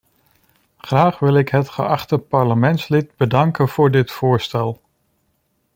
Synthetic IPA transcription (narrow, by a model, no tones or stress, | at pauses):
χraːχʋɪlˠɪkɦətχə̰ʔɑχtəpɑɹləmɛntslɪt̚bədɑŋkənv̥ʊːɹdɪtfʊːɹstɛlˠ